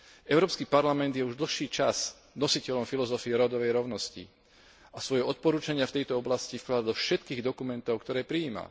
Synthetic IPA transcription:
ɛʊɾɔːpskiːpaɾlamɛnd̪jɛuʒd̪l̩xʃiːt͡ʃaz | nɔsicɛlɔmfilɔzɔfiɛɾɔd̪ɔʋɛjɾɔʊnɔscḭ | asʋɔjɛɔt̪̚pɔɾuːt͡ʃaɲɪaft̪ɛjt̪ɔɔblascifklad̪ad̪ɔfʃɛt̪kiːɣd̪ɔkumɛnt̪ɔʊkt̪ɔɾɛːpɾiiːma̰

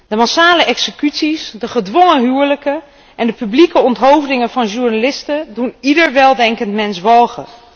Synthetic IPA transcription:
d̥əmasaːləʔɛksəkytsisdəχədʋɔŋəɦyːɹləkə | ʔɛndəpyblikəɔntɦowvdɪŋənvɑnʒuɹnalɪstədunidəɹʋɛlˠdɛŋkəntmɛnsʋɑlˠχə

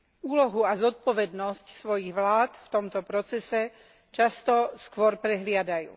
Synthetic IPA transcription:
uːlɔɦuazɔt̪̚pɔʋɛd̪nɔscsʋɔjiɣʋlaːt̪ft̪ɔmt̪ɔpɾɔt͡sɛsɛ | t͡ʃast̪ɔskʋʊɔɾpɾɛɦlɪad̪ajṵː

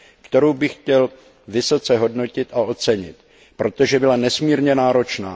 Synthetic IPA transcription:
kt̪ɛɾowbɪxcɛl | vɪso̞t͡sɛɦo̞dno̞cɪt̪ao̞t͡sɛɲɪt̪ | pɾo̞t̪o̞ʒɛbɪlanɛsmiːɾɲɛnaːɾo̞t͡ʃnaː

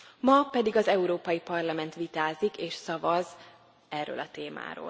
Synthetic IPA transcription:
mɒpɛd̪iɡɒzɛuɾoːpɒjipɒrlɒmɛnt̪ʋit̪aːzikeːʃsɒvɒz | ɛrːø̰ːlɒt̪eːma̰ːɾo̰ːl

